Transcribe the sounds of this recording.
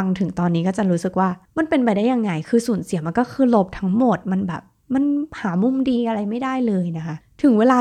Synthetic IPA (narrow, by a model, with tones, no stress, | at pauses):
a˧ŋt̪ʰɯ˨˩˦ŋt̪ɔː˧nːiː˦˥kɔː˥˩t͡ɕa˨˩ɾuː˦˥sɯ˨˩k̚waː˥˩ma˧npe˧npa˧jdaː˥˩ja˧ŋːa˧jkʰɯː˧suː˨˩˦nsi˨˩˦ma˧nkɔː˥˩kʰɯː˧lo˦˥p̚t̪ʰa˦˥ŋmo˨˩t̪̚ma˧nbɛ̰ː˨˩p̚ | ma˧nhaː˩˦mu˧mdiː˧ʔa˧ɾa˧jma˥˩jdaː˥˩jlɤː˧jna˦˥kʰa˦˥ʔt̪ʰɯ˩˦ŋweː˧laː˧